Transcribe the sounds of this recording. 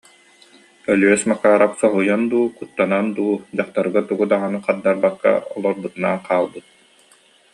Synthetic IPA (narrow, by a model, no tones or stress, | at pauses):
œlyœsmakaːɾapsɔɦujand̪uːkut̪ːanand̪uːd͡ʑaχt̪aɾɯɡat̪uɡud̪aʁanɯqaɾd̪aɾbakːa̰ɔlˠɔɾbut̪una̰nqʰaːlˠbɯt̪̚